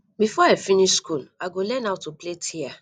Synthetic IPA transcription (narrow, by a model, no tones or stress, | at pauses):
bifɔefiniʃskulaɡolɛnaʊtupletʰia